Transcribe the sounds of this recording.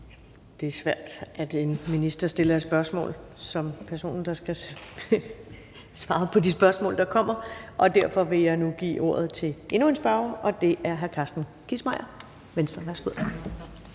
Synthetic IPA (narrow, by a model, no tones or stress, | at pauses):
d̥e̝æɐsʋæɐ̰d̥ʔæd̥e̝nminisd̥ɐsd̥e̝lɐe̥sb̥ɶɐsmɔ̰̽ːl | sɒ̽mpʰæɐso̝̰ːnn̩d̥ɑ̈sɡ̥æ | sʋɑ̈ːpʰɒ̽disb̥ɶɐsmɔ̰̽ːld̥ɑ̈kʰɒ̽m̰ɐʔɒ̽d̥æɐfɒ̽ʋe̝jɑ̈ɪnuɡ̥ḭːʔo̝̰ɐ̰ð̞̩ˠt͡sʰe̝le̝nue̝nsb̥ɑ̈ʊɐʔɒ̽d̥e̝ʔæɐɦæɐkʰɑ̈ːsd̥n̩kʰismɑ̈ɪ̰ɐ | ʋensd̥ʁɐʋæɐsɡ̥uð̞̰ˠ